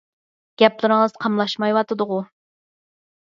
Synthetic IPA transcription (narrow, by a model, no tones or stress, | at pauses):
ɡ̥ʲɛplˠɨɾɨŋəzqʰɑmlˠɑʃmɑjwɑt̪ɨd̪ʊʁʊ